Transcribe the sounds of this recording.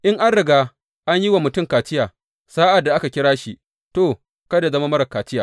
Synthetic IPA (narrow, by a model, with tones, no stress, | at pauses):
ʔɪ˦ŋʔa˦nɽɪ˨ɡaː˦ | ʔa˦ɲji˦wa˨mʊ˨tʊ˦˨mkaː˨t͡ʃɪ˦jaː˨ | saː˦ʔa˨dːa˨ʔa˦ka˨kʲɪ˦ɽaː˦ʃi˨ | toː˨ | kɐ˦da˨zɐ˦ma˦mɐ˦ɾɐ˨kaː˨t͡ʃɪ˦jaː˨